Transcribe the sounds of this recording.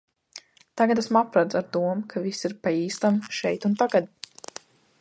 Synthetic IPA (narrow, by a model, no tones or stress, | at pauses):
t̪aɡat̪asmapɾad̪zaɾt̪uɔmkʰavisiɾpaiːst̪amʃɛjt̪unt̪aɡad̪̚